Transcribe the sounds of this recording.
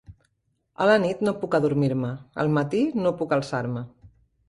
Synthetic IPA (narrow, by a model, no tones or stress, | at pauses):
ə̰lənit̪nopukəðuɾmiɾməə̰lˠmət̪inopukəlˠsaɾmə